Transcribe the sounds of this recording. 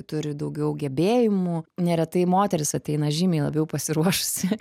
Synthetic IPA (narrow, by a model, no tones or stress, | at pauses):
t̪ʊɾʲɪd̪ɐʊɡʲɛʊɡʲɛbʲeːjɪmʊnʲɛɾʲɛt̪ɐɪmoːt̪ʲɛɾʲɪsɐt̪ʲɛɪnɐʒʲimʲɛɪlˠɐbʲjɛʊpɐsʲɪɾuɔʃʊ̥sʲɪ